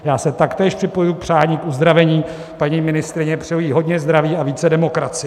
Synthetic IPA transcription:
jaːsɛt̪akt̪ɛːʃprɪpo̞jujuk̚pr̝̥aːɲiːkʔuzd̪ɾavɛɲiː | paɲiːmɪnɪst̪ɾɪɲɛpr̥ɪjojiːɦo̞dɲɛzd̪ɾaviːaviːt͡sɛdɛmo̞kɾat͡sɪ

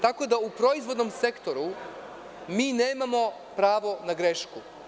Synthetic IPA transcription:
t̪ako̞d̪aupɾo̞izʋo̞d̪no̞mse̞kt̪o̞ɾu | miːneːmamo̞ | pɾaːʋo̞naɡɾeʃku

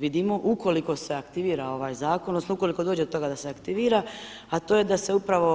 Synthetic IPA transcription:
ʋid̪imo̞ʔuko̞liko̞se̞akt̪iʋiːɾao̞ʋaːjzaːkononosnouko̞liko̞d̪oːd͡ʑeot̪o̞ɡad̪aseakt̪iʋiːɾa | at̪o̞ːje̞d̪ase̞upɾaʋo̞

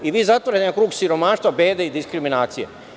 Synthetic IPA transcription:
iʋiːzat̪ʋɾakɾuːɡsiɾo̞maːʃt̪ʋabe̞ːd̪eid̪iskɾiminaːt̪sijḛ

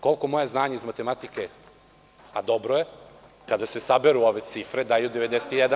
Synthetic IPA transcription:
ko̞lko̞mo̞jeznaːɲaizmat̪e̞mat̪ike | ad̪obɾoje | kad̪asesabeɾuoʋe̞t̪sifɾed̪ajud̪eʋed̪eset̪ijɛd̪a

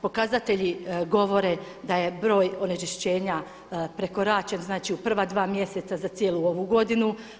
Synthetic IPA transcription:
po̞kazat̪e̞ʎiɡo̞ʋo̞ɾe̞ | d̪aje̞bɾo̞ːjo̞net͡ʃiʃt͡ɕe̞ːɲa | pɾe̞ko̞ɾat͡ʃe̞nznaːt͡ʃiupr̩ʋad̪ʋaːmje̞se̞t̪sazat̪jeːlˠuo̞ʋuɡo̞d̪inu

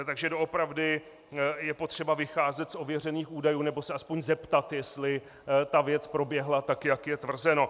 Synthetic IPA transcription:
t̪aɡʒɛdo̞opɾavdɪ | jɛpo̞t̪r̥ɛbavɪxaːzɛt̪sʔo̞vjɛr̝ɛniːxʔuːdajuːnɛbo̞sɛʔaspoɲzɛpt̪at̪jɛst̪lɪ | t̪avjɛt͡spɾo̞bjɛɦlat̪akjakjɛt̪vr̩zɛno̞

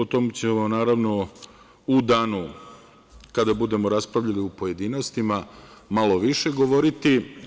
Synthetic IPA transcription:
ot̪o̞met͡ɕemonaːɾaʋno̞ | ud̪aːnu | kad̪abud̪e̞mo̞ɾaspɾaʋʎaliupoje̞d̪iːno̞st̪imamalˠo̞ʋiʃe̞ɡo̞ʋo̞ɾit̪i

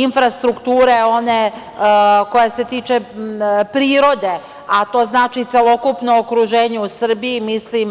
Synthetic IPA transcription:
infɾast̪ɾukt̪uːɾe̞o̞ne | ko̞jese̞t̪iːt͡ʃepɾiːɾo̞d̪e̞ | at̪o̞ːznaːt͡ʃit̪elo̞kupno̞ːkɾuʒeːɲeusr̩biimislim

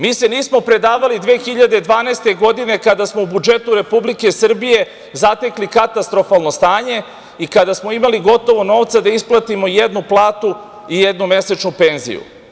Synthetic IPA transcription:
miːse̞niːsmo̞pɾe̞d̪aːʋalid̪ʋeːxiʎad̪ed̪ʋaːneːst̪e̞ɡo̞d̪ine̞kad̪asmo̞ubud͡ʒe̞t̪uɾe̞publike̞sr̩bije̞ | zat̪e̞klikat̪ast̪ɾo̞falˠnost̪aːɲe̞ | ikad̪asmo̞imaliɡo̞t̪o̞ʋo̞no̞ːʋt̪sad̪aisplˠat̪imo̞jed̪nuplˠaːt̪u | ijed̪nume̞set͡ʃnupe̞ːnzḭjṵ

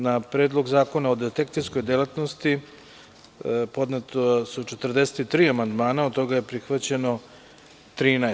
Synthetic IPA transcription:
napɾeːd̪lˠo̞ɡzaːko̞naod̪et̪ek̚t̪sisko̞jd̪elat̪nost̪i | po̞d̪net̪osut͡ʃet̪r̩d̪e̞se̥t̪it̪ːɾiːamand̪maːnaod̪t̪oɡaje̞pɾixʋat͡ɕe̞no̞ | t̪ɾiːna

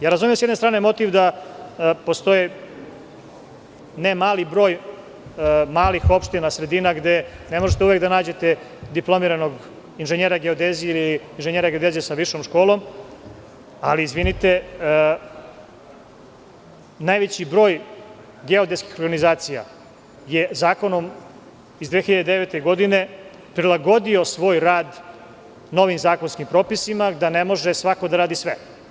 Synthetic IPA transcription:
jaːɾazumijemsjd̪nest̪ɾaːnemo̞t̪iʋd̪a | post̪o̞ji | nemaːlibɾo̞ːj | maːlixo̞pʃt̪inasɾe̞d̪iːnaɡd̪e̞ne̞moʒet̪euʋekd̪anaːd͡ʑe̞t̪e̞ | d̪iplˠo̞miɾano̞ɡ | inʒeɲeɾaɡeod̪ezijeiliiːnʒeɲeːɾaɡed̪ezesaʋiʃomʃko̞ːlo̞m | aliːzʋinit̪e̞ | naːjʋet͡ɕibɾoːj | ɡeo̞d̪eskixo̞ɾɡanizaːt̪sija̰ | jezaːko̞nom | izd̪ʋeːxiʎad̪ed̪eʋet̪eɡo̞d̪ine̞ | pɾilˠaɡo̞d̪io̞sʋo̞ːjɾaːd̪ | no̞ʋimzaːko̞nskimpɾo̞ːpisimad̪anemo̞ʒesʋako̞d̪aɾaːd̪isʋe

